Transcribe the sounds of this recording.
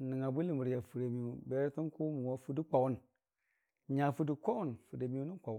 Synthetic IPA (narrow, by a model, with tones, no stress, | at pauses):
ni˨ŋa˨bu˦li˨mu˨ɾa˨fu˨ɾe˨mi˦˨u˨be˦ɾti˦n˦ku˦mu˨wa˦fu˦di˦k͡pa˨wu˦n | ɲa˨fu˦du˨kʷo˦wu˦nfu˨de˨mi˦ju˦ni˦ka˨w